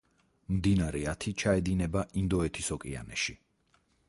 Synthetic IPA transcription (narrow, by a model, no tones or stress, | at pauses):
md̪inaɾɛat̪ʰit͡ʃʰaɛd̪inɛbaʔind̪ɔɛt̪ʰisɔkʼia̰nɛ̰ʃi